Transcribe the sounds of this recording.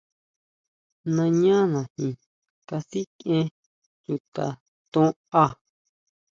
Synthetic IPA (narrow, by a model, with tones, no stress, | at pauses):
nã˧ɲã˦nã˨hĩ˨ | ka˧si˦kẽ˦ | ju˨t̪a˨ | t̪õ˦ | a˦